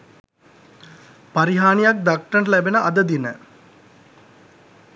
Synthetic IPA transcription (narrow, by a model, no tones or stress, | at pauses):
paɾiɦaːnijak̚d̪akʈəɳlæbenəʔɐd̪əd̪inə̰